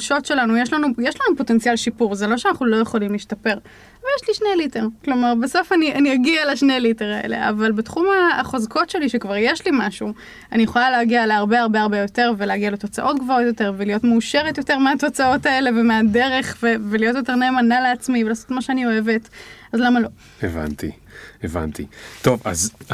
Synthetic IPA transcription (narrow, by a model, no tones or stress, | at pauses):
ʃo̞tʃe̞lanujeʃlanujeʃlanupo̞te̞nt͡sialʃipuʁzelo̞ʃeanaχnulo̞jeχolimliʃtape̞ʁ | vejeʃliʃnelite̞ʁklo̞maʁbeso̞fanianijaɡialaʃne̞jlite̞ʁaḛle̞̰ʔa̰valbetχumaːχozkʰo̞tʃe̞liʃekvaʁjeʃlimaʃu | anijeχolaleaɡialeaʁbe̞aʁbeaʁbe̞jo̞te̞ʁveleaɡiale̞to̞t͡saʔo̞tɡvaʁotjo̞te̞ʁvelijo̞tmeuʃeʁetjo̞te̞ʁmeato̞t͡sao̞tae̞le̞vemeadeʁe̞χvevelijo̞t̬jo̞t̬e̞ʁneːmanaleat͡smivelaːso̥tmaʃeanio̞e̞ve̞tazlamalo̞ | eva̰nt̪ḭ | eva̰nt̪ḭt̪o̞va̰z